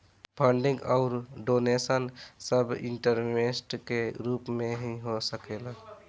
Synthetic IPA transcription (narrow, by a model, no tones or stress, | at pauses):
pʰəɳɖĩŋɡɔʊɾɖonesənsəbḭɳʈəɾmesʈkeɾuːpmẽɦiɦosəkela